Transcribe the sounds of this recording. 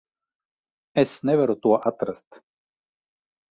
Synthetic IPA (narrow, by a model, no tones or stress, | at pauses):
ɛsnɛvɛɾot̪uaʔat̪ɾəst̪